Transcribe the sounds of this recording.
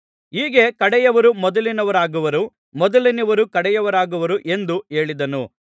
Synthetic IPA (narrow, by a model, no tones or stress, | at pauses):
iːɡe̞kɐɽɛjɐʋɐɾumɔd̪ɐlinɐʋɐɾaːɡuʋɐɾu | mɔd̪ɐlinɐʋɐɾukɐɽɛjɐʋɐɾaːɡuʋɐɾuʔe̞nd̪ue̞ːɭid̪ɐnu